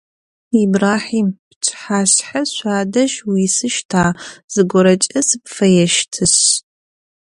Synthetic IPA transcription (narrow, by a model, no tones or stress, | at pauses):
ibraːħiːmpt͡ʃʰʼħaːɕħɐɕʷaːdɐʃwisɨʃtʰaːz̥ɨɡʷɔɾɐt͡ʃʼɐsɨpfɐjɛʃtʰɨɕ